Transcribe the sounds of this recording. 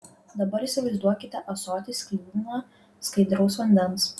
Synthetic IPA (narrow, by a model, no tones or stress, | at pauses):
d̪ɐbɐɾɪˑsʲɪʋɐɪzd̪uɔkʲɪt̪ʲɛʔɐsɔːt̪ʲɪsʲkʲibʲmɐ | skɐɪd̪ɾɐʊsʋɐnʲd̪ʲɛnˑs